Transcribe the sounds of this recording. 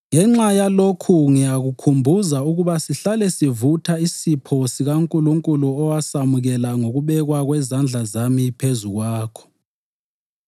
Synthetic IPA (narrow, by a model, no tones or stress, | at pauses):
ŋɛŋ͡ǁajalokʰuŋijaɣukʰumbʱuzauɣuβasiɬalɛsivutʰaisipʰosiɣaŋkʼuluŋkʼuluɔwasamuɣɛlaŋoɣuβɛɣwaɣwɛzand͡ɮʱazamipʰezuɣwaːkʰɔ̥